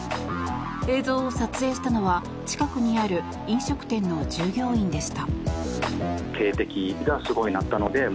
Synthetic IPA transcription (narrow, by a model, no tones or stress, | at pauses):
e̞ːzo̞ːosat͡sɨe̞ːɕi̥t̪ano̞βa | t͡ɕi̥kakɯ̟ɲ̟iaɾɯ̟ | ĩɰ̃ɕo̞kɯ̟̥t̪ẽ̞nːo̞d͡ʑɨːɡʲo̞ːĩnd̪e̞ɕi̥t̪a | kʰe̞ːt̪e̞kʲiɡasɨɡo̞inat̪ːano̞d̪e̞